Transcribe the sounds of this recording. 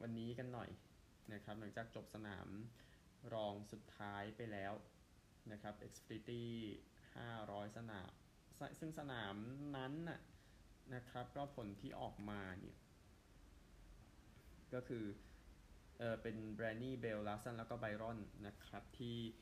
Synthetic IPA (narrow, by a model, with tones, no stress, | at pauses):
wʔa˧nːiː˦˥ka˧nːɔ˨˩j | na˦˥kʰɾa˦˥p̚nɯ˩˦ŋt͡ɕaː˨˩k̚t͡ɕo˨˩p̚sa˧na̰ː˩˦m | ɾɔː˧ŋsu˨˩t̪ʰːaː˦˥jpa˧jlɛː˦˥w | na˦˥kʰɾa˦˥p̚ʔe˦k̚spʰɾiː˦˥t̪iː˥˩ | ha̰ː˥˩ɾɔː˦˥jsa˧na̰ː˩˦m | sa˧sɯ˥˩ŋsa˧naː˩˦mna˦˥nʔa˨˩ | na˦˥kʰɾa˦˥p̚kɔː˥˩pʰo˩˦nt̪ʰiː˥˩ʔɔ̰ː˨˩k̚maː˧nḭ˦˥˩ɐ | kɔː˥˩kʰɯː˧ | ʔɤː˨˩pe˧nbɾɛː˧nːiː˥˩be˧wlaː˦sa˥nlɛː˦˥wkɔː˥˩ba˧jɾɔ˥˩nːa˦˥kʰɾa˦˥p̚t̪ʰiː˥˩